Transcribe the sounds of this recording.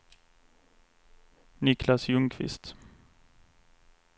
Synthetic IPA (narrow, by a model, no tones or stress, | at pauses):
nɪklasjɵŋkʰvɪ̰st̪